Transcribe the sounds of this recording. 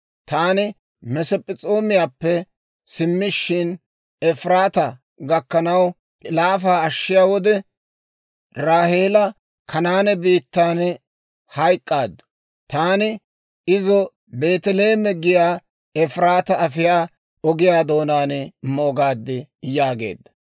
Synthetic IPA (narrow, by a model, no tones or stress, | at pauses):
t̪aːnɪ | mɛsɛpʼːɪt͡sʼo̞ːmɪjaːpːɛ | sɪmːɪʃːɪn | ɛfɾaːt̪ɐ | ɡɐkːɐnɐw | laːfaːɐʃːɪjaːwɔd̪ɛ | ɾaːhe̞ːlɐ | kʰɐnaːnɛbiːt̪ːaːn | hɐjkʼːaːd̪ːʊ | t̪aːnɪ | ɪzɔ | be̞ːt̪ɛle̞ːmɛɡɪjaː | ɛfɾaːt̪ɐɐfɪjaː | ɔɡɪjaːd̪o̞ːnaːnmo̞ːɡaːd̪ːɪjaːɡe̞̰ːd̪ːɐ̥